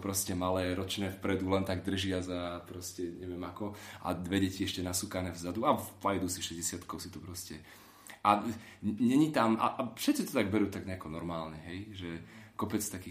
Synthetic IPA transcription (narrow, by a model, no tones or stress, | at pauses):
pɾɔscɛmalɛːɾɔt͡ʃnɛːfpɾɛd̪ulɛnt̪aɡd̪r̩ʒɪazapɾɔscɛɲɛʋɪɛmakɔʔa̰d̪ʋɛɟɛciɛʃcɛnasukanɛːvzad̪uapajd̪uːsiʃɛzɟɛsɪat̪kɔʊsit̪ɔpɾɔscɛ | ʔaɲɛɲit̪amʔa̰ʔfʃɛt̪t͡sit̪ɔt̪aɡ̚bɛɾuːt̪aɡɲɛakɔnɔɾmaːlɲɛɦɛjʒɛkɔpɛt͡st̪akiː